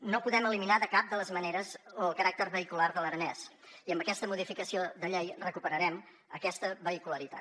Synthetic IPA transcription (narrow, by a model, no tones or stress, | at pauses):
nopuðɛməliminaðəkap̚d̪ələzməneɾəzəəlˠkəɾak̚t̪ərβəikularðəlˠəɾənɛs | iəmbəkɛst̪əmuðifikəsioðəʎejrəkupəɾəɾɛm | əkɛst̪əβəikuləɾit̪a̰t̪